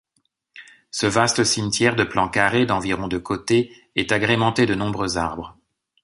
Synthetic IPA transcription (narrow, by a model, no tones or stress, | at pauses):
səvast̪əsimt̪jɛʁd̪əplɑ̃kaʁed̪ɑ̃viʁɔ̃d̪əkʰot̪e | ɛt̪aɡʁemɑ̃t̪ed̪ənɔ̃bʁøza̰ʁbʁ